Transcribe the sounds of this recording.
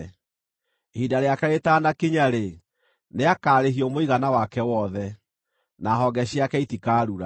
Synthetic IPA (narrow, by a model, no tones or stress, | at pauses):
hidaɾeakaɾetaːnakiɲaɾe | neakaːɾeɦiɔmoiɣanawakɛwɔðɛ | naɦɔɡɛɕjakɛitikaːɾuɾa